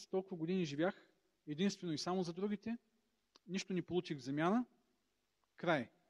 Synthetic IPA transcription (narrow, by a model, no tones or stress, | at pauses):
t̪ɔlˠkʊvɐɡod̪iniʒivʲjax | ɛd̪inst̪vɛnoisamozɐd̪ɾuɡit̪ɛ | niʃt̪onipolˠut͡ʃiɣvzɐmʲjanə | kɾaj